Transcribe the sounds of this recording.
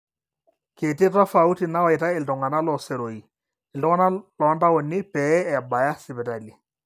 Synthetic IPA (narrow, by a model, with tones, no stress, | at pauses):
ke˨ti˦ta˦fa˨u˦ti˨na˦wa˨jta˦ɪ˨ltɔ˨ŋa˨na˦lɔ˨sɛ˨ɾo˨i˨ | ɪ˨ltɔ˦ŋa˦na˦lɔ˨˦nda˦wɔ˨nɪ˦pɛ˨˦ɛ˨ba˨ja˦sɪ˨bɛ˨ta˨li˨